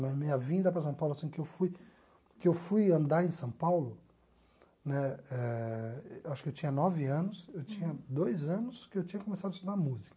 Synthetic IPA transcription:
nɛ̃mĩɲɐvĩnd̪ɐpɾɐsɐ̃w̃pawlʊasĩkɪewfuj | kɪewfujɐ̃nd̪aɾẽsɐ̃w̃pawlʊ | nɛɛ | waʃʊ̥kɪewt͡ʃĩɲɐnɔvɪɐ̃nʊsewt͡ʃĩɲɐd̪ojzɐ̃nʊskɪewt͡ʃĩɲɐkõmesad̪ʊɐst̪ud̪aɾmuzikɐ̥

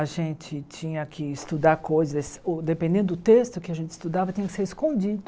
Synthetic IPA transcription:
aʒẽnt͡ʃɪt͡ʃĩɲɐkʰɪɪst̪ud̪aɾkojzɐsʊd̪epẽnd̪ẽnd̪ʊd̪ʊt̪est̪ʊkɪaʒẽnt͡ʃɪ̥ist̪ud̪avɐt͡ʃĩɲɐkɪ̥seɾiskõd͡ʒid̪ʊ

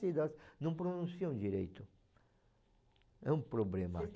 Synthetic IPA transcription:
sid̪ɐznɐ̃w̃pɾonũsiɐ̃w̃d͡ʒiɾḛjt̪ʊ | ɛũpɾoblemɐ

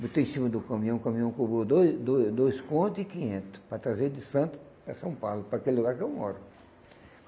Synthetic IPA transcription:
but̪ẽĩsimɐd̪ʊkɐ̃mĩɐ̃w̃kɐmĩɐ̃w̃kobɾod̪od̪od̪ojskõnt̪ʊɪkĩɲẽnt̪ʊ̥pɾɐt̪ɾazeɾd̪ɪsɐ̃nt̪ʊ̥ | pɾɐsɐ̃w̃pawlʊpɾɐakelɪluɡaɾkɪewmɔ̰ɾʊ

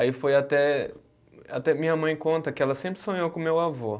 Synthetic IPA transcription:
aifojat̪ɛ | a̰t̪ɛmĩɲɐmɐ̃j̃kõnt̪ɐkɪɛlɐsẽmpɾɪsõɲowkõmewavo

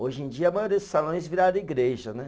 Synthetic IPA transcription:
oʒẽd͡ʒiɐɐmajoɾiɐdsalõj̃zviɾad̪ɐiɡɾeʒɐnɛ

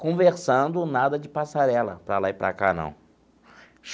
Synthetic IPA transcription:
kõveɾsɐ̃nd̪ʊnad̪ɐd͡ʒɪpasaɾɛlɐ̰pɾɐlaɪpɾa̰ka̰nɐ̰̃w̃ | ʃ

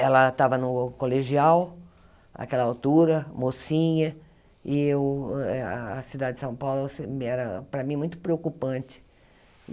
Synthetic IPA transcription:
ɛlɐt̪avɐnʊkoleʒiaw | a̰kɛlɐawt̪uɾɐmosĩɲɐ | ɪewɛːsid̪ad͡ʒɪd͡ʒɪsɐ̃w̃pawlʊsemɛɾɐpɾɐmĩmũj̃t̪ʊ̥pɾeokupɐ̃t͡ʃɪ̥

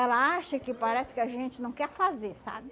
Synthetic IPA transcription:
ɛlɐaʃɐkɪpaɾɛsɪ̥kɪaʒẽnt͡ʃɪnɐ̃w̃kɛɾfazesa̰bɪ

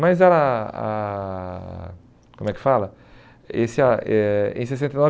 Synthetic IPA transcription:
mɐjzɛɾaa̰ | kõmʊɛkɪ̥falɐ | esɪaɛḛ̃j̃s̬esẽt̪ejnɔ

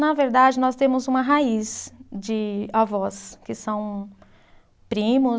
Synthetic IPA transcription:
nɐveɾd̪ad͡ʒɪnɔst̪ẽmʊzũmɐɦaisd͡ʒɪavɔskɪsɐ̃w̃ | pɾĩmʊ

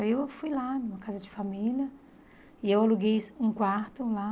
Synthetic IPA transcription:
ewfujlanũmɐkazɐd͡ʒɪfamiljɐ | ɪewaluɡejũkwaɾt̪ʊla

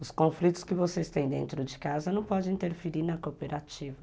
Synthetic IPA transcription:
ʊskõflit̪ʊ̥skɪvoseɪst̪ẽj̃d̪ḛ̃nt̪ɾʊd͡ʒɪkazɐnɐ̃w̃pɔd͡ʒɪ̃ĩt̪eɾfeɾiɾnɐkopeɾat͡ʃivɐ

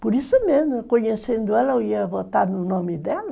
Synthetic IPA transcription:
poɾisumezmʊkoɲesẽnd̪ʊɛlɐoiɐvot̪aɾnʊnɔ̃mɪd̪ɛlɐ

